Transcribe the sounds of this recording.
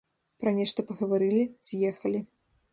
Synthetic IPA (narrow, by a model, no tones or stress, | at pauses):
pɾɐnʲɛʂt̪ɐpɐɣɐvaɾɨlʲiz̥ʲjɛxɐlʲi